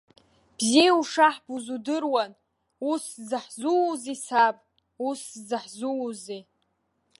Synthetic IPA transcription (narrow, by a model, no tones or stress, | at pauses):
b̥zijuʂaħb̥uzudɨrwan | uszɨħzuzisapʼ | uszɨħzuzi